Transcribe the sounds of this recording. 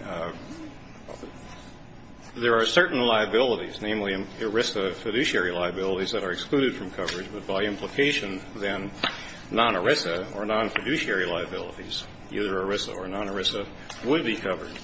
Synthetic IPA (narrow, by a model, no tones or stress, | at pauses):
ðə˞ːsɜ˞ʔn̩laɪɨbɪlˠəɾḭznẽɪ̃mlĩəɹɪsɨfɨɾʉʃiɛɹilaɪɨbɪlˠəɾizðɨɾə˞ɨksklʉɾɨd̥fɹʌ̃mkʰʌvə˞ɨd͡ʒbʌt̚b̥aɪɪ̃mpʰləkʰeɪʃɨ̃nðɨ̃nː | ɑ̃nə˞ɪsɨə˞nɑ̃nfɨdʉʃiɛɹilaɪɨbɪlˠə̰ɾiz̥ | ḭðə˞ə˞ɪsə̰ə˞nɑ̃nə˞ɪsə | wəd̚bikʰʌvə̰˞d̥̚